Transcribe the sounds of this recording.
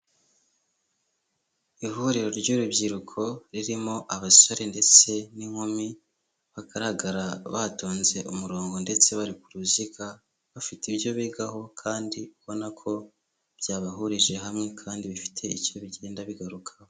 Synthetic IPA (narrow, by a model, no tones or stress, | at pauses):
ihuɾiɾo̞ɾɟuɾubɟiɾukʰo̞ɾiɾimo̞ʔaβasoɾende̞t͡se̞niŋ̥homi | βaɡaɾaɡaɾaβaːto̞ːnze̞ʔumuɾo̞ːŋɡo̞nde̞t͡se̞βaɾikuɾuzika | βafitiβjo̞βiɡaɦo̞kʰaːndiuβo̞nakʰo̞ | b̥jaːβaɦuɾiʒe̞ɦamŋe̞kʰaːndiβifi̥tʰe̞icoβiɟe̞ːndaβiɡaɾukʰḁho